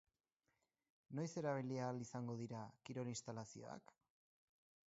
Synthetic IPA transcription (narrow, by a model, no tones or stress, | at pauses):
no̞jse̞ɾaβ̞iliaːlisaŋɡo̞ðiɾakiɾo̞linst̪alasio̞̰a̰k